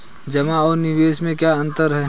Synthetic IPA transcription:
d͡ʒɐmaɔːɾnɪʋeːʃmẽkjaɐ̃nt̪əɾɦɛː

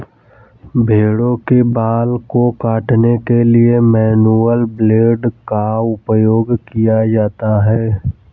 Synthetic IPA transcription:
bʱeːɽõkebaːlkokaːʈnekeliemɛːnuəlbleːɖkaʊpəjoːɡkijad͡ʒaːt̪aɦɛː

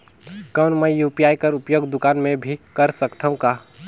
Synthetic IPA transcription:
kəːnməjupjaːjkəɾʊpjoːɡd̪ʊkaːnmẽbʱikɐɾsəkt̪ʰəũka

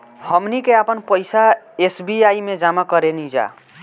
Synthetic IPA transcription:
hʌmnikeapʌnpʌjsa | esbiajmed͡zamakʌɾenid͡ʒa̰

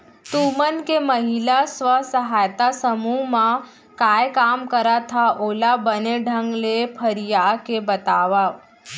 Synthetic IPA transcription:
t̪umənkeməɦilasʋəsəɦajt̪asəmuma | kajkamkəɾat̪ʰaʔolabəneɖʱəŋɡlepʰəɾjakebət̪aʋaʋ

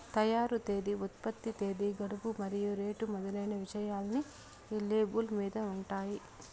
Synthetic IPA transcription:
t̪ɐjaːɾut̪e̞ːd̪iut̪̚pɐt̪ːit̪e̞ːd̪iɡɐɽupumɐɾijuɾe̞ːʈumɔd̪ɐlɐjnɐʋiʃɐjaːlɐniː | leːbulmiːd̪ɐuɳʈaːji

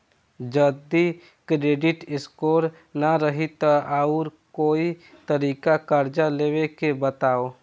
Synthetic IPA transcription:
d͡ʒəd̪i | kɾeːɖɪʈɪskoːɾ | naɾəɦit̪aʔaʊɾkoːi | t̪əɾiːkakəɾd͡ʒaleːwekebət̪aːo

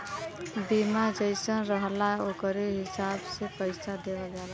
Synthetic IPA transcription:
bimad͡ʒəɪsə̃nɾəɦlaokəɾeɦɪsabsepəɪsad̪eʋad͡ʒala

